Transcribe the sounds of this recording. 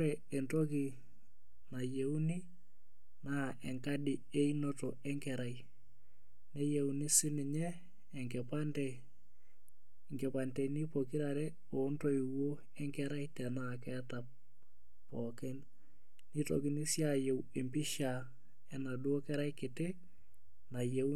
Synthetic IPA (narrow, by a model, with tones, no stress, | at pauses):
ɾɛ | ɛ˨nto˦ki˨ | na˨je˨u˦ni˦ | na˦ʔɛ˨ŋka˦dɪ | e˦ino˦to | ɛ˦ŋkɛɾa˨i | ne˦jeunɪ˦sɪ˦nɪ˨ɲɛː˦˨ | ŋkɛ˨pa˦ntɛ | ŋɡɛ˨pa˨nte˨ni˦po˨ki˦ɾa˨ɾɛ˦ | o˨˦nto˦i˨wo˦ | ɛ˦ŋkɛ˦ɾa˦itɛ˨nakɛ˦ta˨p̚ | pːɔ˨kɛ˦n | ni˦to̰˨ki˦ni˦sjaje˨we˨mpi˦ʃa | ɛ˨na˨dwo˦kɛ˦ɾa˦jkɪ˨te | na˨je˨